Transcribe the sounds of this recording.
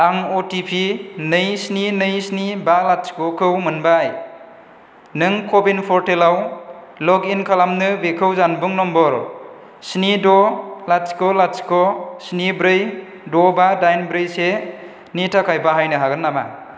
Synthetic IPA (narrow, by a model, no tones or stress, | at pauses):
aŋotipʰinɯjsninɯjsnibalatskɔkʰɯwmɯnbaj | nɯŋkʰɔbinpʰɔɾtelaw | lɔkinkʰalamnɯbekʰɯwzanbuŋnɔmbɔɾ | snidɔlatskɔlatskɔsnibɾɯj | dɔbadajnbɾɯjse | nitʰakʰajbaɦajnɯɦaɡɯnːama̰